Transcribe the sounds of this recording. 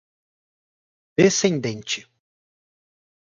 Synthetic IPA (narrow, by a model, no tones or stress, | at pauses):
d̪̥esẽnd̪ẽnt͡ʃɪ